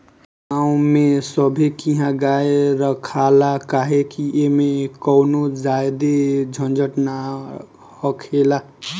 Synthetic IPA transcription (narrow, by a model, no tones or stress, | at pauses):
aũmesʌbʱekiɦãɡaeɾʌkʰalakaɦekiʔemekʌwnod͡ʒaed̪ed͡ʒʱʌnd͡ʒəʈna | hʌkʰela